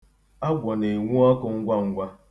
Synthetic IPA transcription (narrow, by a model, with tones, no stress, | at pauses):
a˦ɡʷɔ˨ne˨ŋʷu˦ɔ˦kʊ˨ŋ̩˦ɡʷa˦ŋ̩˦ɡʷa˦